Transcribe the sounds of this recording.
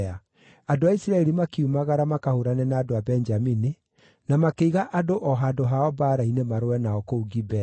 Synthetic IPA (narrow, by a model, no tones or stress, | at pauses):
a | adoaisiɾaɛɾimakiumaɣaɾamakahoɾanɛnaːdoabɛnd͡ʒamini | namakeiɣaʔadoʔɔɦadoɦaɔbaːɾainemaɾowɛnaɔkouɡibɛa